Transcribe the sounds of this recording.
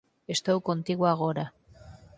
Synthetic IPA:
est̪awko̞nt̪iɣwuaɣ̞oɾa

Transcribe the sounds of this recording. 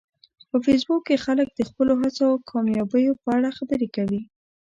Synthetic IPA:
pəfes̬bukːexalək̚d̪əxpəloɦat͡sokʰɑmjɑbəjopəaɽaxabəɾekawi

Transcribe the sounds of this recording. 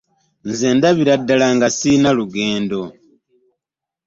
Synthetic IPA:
nzeːndaβiɾadːalaŋɡasinaluɡe̞ːndo̞

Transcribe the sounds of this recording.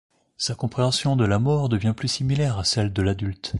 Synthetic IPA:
sakɔ̃pχeɑ̃sjɔ̃d̪əlamɔʁd̪əvjɛ̃plysimilɛʁasɛld̪əlad̪ylt̪

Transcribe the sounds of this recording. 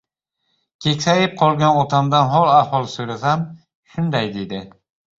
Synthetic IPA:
kʲʰe̞kʲsajɪp̚qʰɒlˠɡʲanɒt̪ʰamd̪anɦɒlˠahɒlˠsoɾasam | ʃʊnd̪ajd̪e̞d̪ɪ

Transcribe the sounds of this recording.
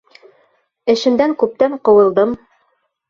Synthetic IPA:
ɘ̆ʃɘ̆nd̪æŋkʉp̚t̪æɴqŏwɤ̆lˠd̪ɤm

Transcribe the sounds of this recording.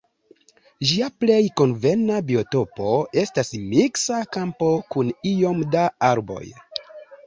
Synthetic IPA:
ʒiaple̞jko̞nve̞nabio̞to̞po̞e̞stasmiksakampo̞kunio̞mdaaɾbo̞̰j

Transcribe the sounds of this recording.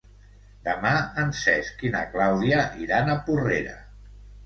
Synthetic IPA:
d̪əmaənsɛskina̰klawðiaʔiɾanəpureɾa̰

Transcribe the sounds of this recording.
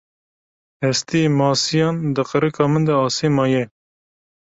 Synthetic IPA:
hɛst̪ijemɑːsijɑːnd̪ɨqəɾɨkʰɑːmɨnd̪ɛɑːseːmɑːjɛ

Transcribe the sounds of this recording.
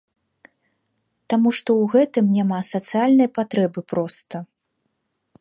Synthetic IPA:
t̪amuʂt̪ɔwɣɛt̪ɨmnʲamasɐt̪sɨjalʲnɐjpat̪ɾɛbɨpɾɔst̪ɐ

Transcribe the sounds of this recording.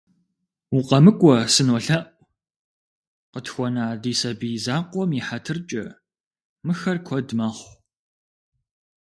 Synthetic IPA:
wʊqɐmɨkʷʼɔsɨnwɔɬɐʔʼʷ | qətxʷɔnaːdiːsɐbizaːqʷɔmjiħatʰɨrt͡ʃʼɐ | mɨxɐrkʷʰɔdmɐχʷ

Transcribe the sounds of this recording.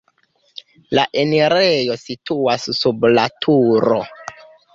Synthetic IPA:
laʔeneɾejo̞sitʰuasːublatʰuɾo̰

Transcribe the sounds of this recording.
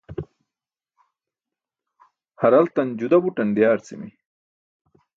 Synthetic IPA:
hɐɾɐlt̪ɐnd͡ʑud̪ɐbuʈɐnɖijaːɾt͡sḭmi

